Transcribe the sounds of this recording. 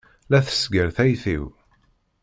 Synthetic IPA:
læθə̥sɡəɾθæjθḭw

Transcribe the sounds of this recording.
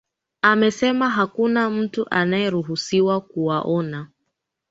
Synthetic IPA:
amɛsɛmaɦakunam̩tuʔanajɛɾuɦusiwakuwaʔɔna

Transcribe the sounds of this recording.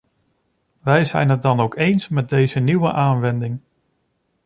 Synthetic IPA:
ʋɛjzɛ̰jnɦət̚dɑnowkejnsmɛt̚dejzəniwə̰ʔaːnʋɛndɪŋ

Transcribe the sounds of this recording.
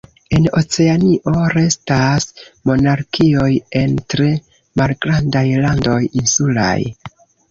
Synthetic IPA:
e̞no̞t͡se̞aniʔo̞ɾe̞stasmo̞naɾkio̞je̞ntɾe̞ | malɡɾandajlando̞jinsula̰j

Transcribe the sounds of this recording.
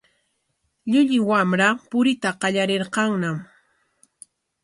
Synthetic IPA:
ʎʊʎɪwamɾapʊɾɪt̪aqɑʎaɾeɾqɑŋnam

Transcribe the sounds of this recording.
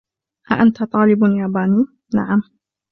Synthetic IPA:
ʔaʔant̪at̪ˤɑːlɪbjaːbaːniː | na̰ʕam

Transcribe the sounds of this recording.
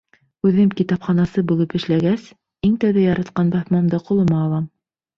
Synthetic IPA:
ʉðɘmkit̪ɑpχɑnɑsɤbulˠɤpɘ̆ʃlæɡæs | iŋt̪æwðæjɑɾɑt̪qɑnbɑθmɑmd̪ɑqŭlˠɤ̆mɑːlˠɑm

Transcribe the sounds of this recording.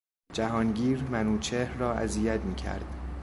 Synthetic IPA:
d͡ʒæɦɒːnɟiːɾmænuːt͡ʃʰehɾrɒːæ̰ziːjæt̪miːcʰæ̰ɾd̪̥

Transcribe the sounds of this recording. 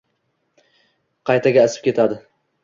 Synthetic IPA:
qʰɑjt̪aɡʲaːsɪ̥p̚kʲʰe̞t̪ʰad̪ɪ

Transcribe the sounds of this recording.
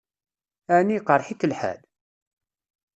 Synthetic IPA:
æniqəɾˤħikəlħæ̰l

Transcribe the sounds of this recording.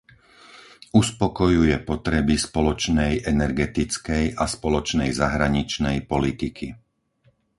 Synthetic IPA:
uspɔkɔjujɛpɔt̪ɾɛbispɔlɔt͡ʃnɛjɛnɛɾɡɛt̪it͡skɛjʔaspɔlɔt͡ʃnɛjzaɦɾaɲit͡ʃnɛjpɔlit̪ikʰi

